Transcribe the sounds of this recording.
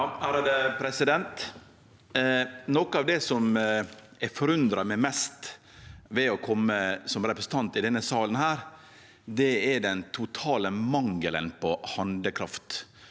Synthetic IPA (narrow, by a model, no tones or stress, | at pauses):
æɾɑd̪əpʰɾɛsɪd̪ɛnt̪ | nɔkəɑːʋd̪ɛsɔm | ɛfɔɾʉnd̪ɾɑmɛmɛst̪ | ʋɛɔkʰɔmːəsɔmɾɛpɾəsn̩t̪ʰɑnt̪ɪd̪ɛnːəsɑːlənhæːɾ | d̪ɛɛɖɛnt̪ʰʊt̪ʰɑːləmɑŋːələ̰npʰɔhɑnd̪əkʰɾɑft̪